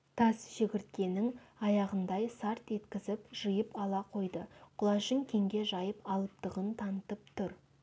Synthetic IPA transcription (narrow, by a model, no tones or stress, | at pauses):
t̪ʰɑsʒ̥ɪɡʲɪɾt̪̚kʲe̞nɪŋɑjɑʁənd̪ɑjsɑɾt̪e̞t̪kʲɪzɪpʒ̥əjəpɑlˠɑqʰo̞jd̪əqʰʊlˠɑʃəŋkʲʰe̞ŋɡʲe̞ʒɑjəpɑlˠəp̚t̪əʁənt̪ʰɑnət̪əp̚t̪ʰʊɾ